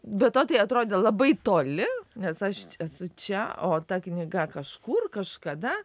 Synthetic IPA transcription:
bʲɛt̪oːt̪ɐɪɐt̪ɾoːd̪ʲeːlˠɐbɐɪt̪oːlʲɪnʲɛsɐʃɛsʊt͡ʃʲɛoːt̪ɐknʲɪɡɐkɐʃkuːrkɐʃkɐd̪ɐ

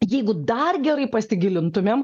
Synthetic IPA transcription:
jɛɪɡʊd̪ɐrɡʲɛɾɐɪpɐsʲɪɡʲɪlʲɪnt̪ʊmʲem

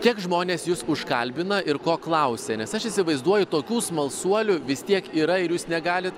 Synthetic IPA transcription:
kʲiɛkʒmoːnʲeːsjuːsʊʃkɐlʲbʲɪnɐʔɪɾkoːklˠɐʊsʲɛnʲɛsɐʃɪsʲɪʋɐɪzd̪uɔjʊt̪oːkʲuːsmɐlˠsuɔlʲʊʋʲɪst̪ʲiɛkiːɾɐɪɾjuːsnʲɛɡɑːlʲɪt̪

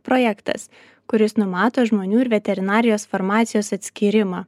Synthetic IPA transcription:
pɾoːjɛkt̪ɐ̰s | kʊɾʲɪsnʊmɑːt̪oːʒmoːnʲuːɪɾʋʲɛt̪ʲɛɾʲɪnɑːɾʲɪjoːsfɔɾmɑːt̪sʲɪjoːsɐt̪ʲsʲkʲiːɾʲɪmɑː

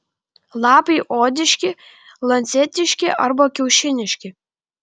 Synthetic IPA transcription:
lˠɑːpɐɪʔoːd̪ʲɪʃʲkʲɪ | lˠɐnʲt̪sʲɛt̪ʲɪʃʲkʲɪʔɐɾbɐkʲɛʊʃʲɪnʲɪʃʲkʲɪ

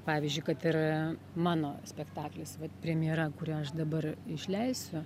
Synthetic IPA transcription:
pɑːʋʲɪzʲd͡ʒʲʊɪkɐt̪ɪɾ | mɑːnoːsʲpʲɛkt̪ɑːklʲɪsʋɐt̪pʲɾʲɛmʲɪjɛɾɐkʊɾʲɛɐʃd̪ɐbɐrɪʃʲlʲɛɪsʲʊ

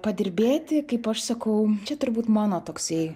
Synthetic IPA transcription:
pɐd̪ʲɪɾʲbʲeːt̪ʲɪkɐɪpɐʃsɐkɐʊt͡ʃʲɛt̪ʊɾʲbuːt̪mɑːnoːt̪oːksʲɛɪ

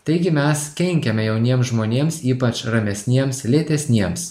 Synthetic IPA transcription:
t̪ɐɪɡʲɪmʲɛskʲɛŋʲkʲɛmʲɛjɛʊnʲiɛmsʒmoːnʲeːmsiːpɐt͡ʃɾɐmʲɛsʲnʲiɛmslʲeːt̪ʲɛsʲnʲiɛms

